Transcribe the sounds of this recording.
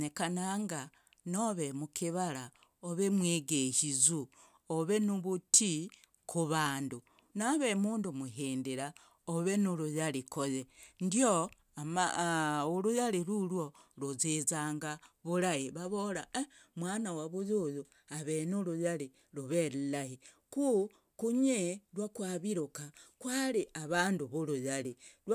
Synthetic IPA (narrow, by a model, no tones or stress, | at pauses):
nekanaŋɡa | noβemukʰiβaɾa | oβemweːɡeʃizu | oβe̞nuβutʰi | kʰuβaːndu | naβe̞muːndumuɦiːndiɾa | oβe̞nuɾujalikoðendio | amauɾujaliɾulwoluzizaːŋɡaβuɾajiβaβola | mwaːnawaβujuju | aβenulujali | luβelilahi | ku | kuɲelwakwaːβiɾokakwaɾiʔaβaːnduβuɾujalilw